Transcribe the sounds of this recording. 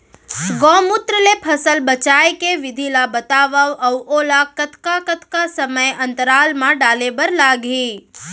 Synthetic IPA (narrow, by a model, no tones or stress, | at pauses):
ɡɔ̃mʊt̪ɾəlepʰəsəlbət͡ʃajkeʋɪd̪ʱilabət̪aʋaʋəwolakət̪kakət̪kasəməjənt̪əɾalmãɖalebəɾlaɡʱi